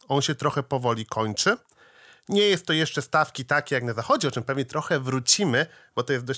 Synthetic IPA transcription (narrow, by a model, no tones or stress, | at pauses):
ɔnɕɛt̪ɾɔxɛpɔvɔlʲikʰɔɲt͡ʂɘ | ɲɛjɛst̪ːɔjɛʂt͡ʂɛst̪afkʲit̪akʲejaknazaxɔd͡ʑɛɔt͡ʂɘmpɛvɲɛt̪ɾɔxɛvɾut͡ɕimɘ | b̥ɔt̪ɔjɛst̪d̪ɔɕ